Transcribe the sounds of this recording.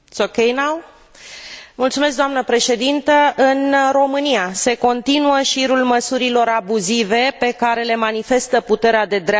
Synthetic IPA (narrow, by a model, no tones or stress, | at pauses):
t̪sokejnaw | mult̪sumesk̚d̪oamnəpɾe̞ʃe̞d̪int̪əʔɨnro̞mɨnijase̞ko̞nt̪inuəʃiɾulməsuɾilo̞ɾabuzive̞pe̞kaɾe̞le̞manife̞st̪əput̪e̞ɾead̪e̞d̪ɾa